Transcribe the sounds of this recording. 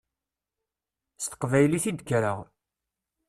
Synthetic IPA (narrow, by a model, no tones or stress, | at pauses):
st̪ə̥qvæjliθid̪kɾəʁ